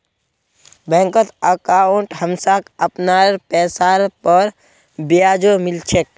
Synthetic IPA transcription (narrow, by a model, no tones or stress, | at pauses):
bɛ̃ːŋkət̪əkaoɳʈɦəmsakəpnaɾpɛːsaɾpəɾ | bijaːd͡ʒomɪlt͡ʃʰek̚